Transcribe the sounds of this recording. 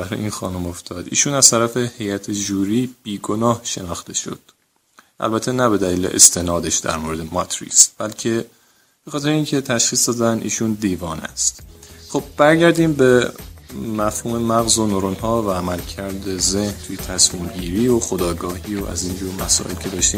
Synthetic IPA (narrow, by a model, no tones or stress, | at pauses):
æɾ̰inxɒ̰ːnumo̞ft̪ʰɒːd̪ḭːʃuːnæz̥t̪ʰæɾæfe̞he̞jæt̪ʰed͡ʒuːɾiːb̥iːɡonɒːhʃe̞nɒːxt̪e̞ʃo̞̰d̪̥ | ʔæ̰lbæt̪ʰːe̞næbe̞d̪æliːlḛʔḛst̪ʰe̞nɒːd̪e̞ʃd̪æ̰ɾmoɾe̞d̪e̞mɒt̪ʰɾḭːsb̥ælcʰe̞ | b̥e̞xɒt̪e̞ɾeiːncʰe̞t̪ʰæʃxiːsd̪ɒːd̪ænd̪ḭːʃund̪iːvɒːnæ̰st̪χob̥̚bæɾɟæɾd̪iːmbe | mæfhuːme̞mæɣzo̞noɾonhɒːvæːmælcʰæɾd̪e̞ze̞hnt̪ʰujet̪ʰæsmiːmɟiːɾiːoxo̞d̪ɒːɡɒːhiːoʔæ̰ziːnd͡ʒuːɾmæsɒ̰ːʔelcʰe̞d̪ɒːʃt̪iːm